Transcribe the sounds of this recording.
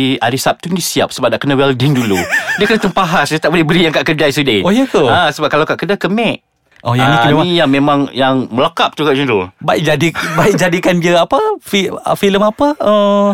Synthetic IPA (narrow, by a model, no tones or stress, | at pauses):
aɾisap̚t̪undisia̰p̚səbap̚naʔkənawɛldɪŋduludiəkənat̪əŋpaɦasdiət̪aʔ̚bolɛhbəɾijaŋkaʔkədajsudeojək̪uasəbap̚kalawkaʔkədakəmɛʔ̚ | ʔojaniijaŋmemãŋjaŋməlakap̚t̪ukaʔd͡ʒunɾubaik̚d͡ʒadibaik̚d͡ʒadikandiəapafḭfiləmapaə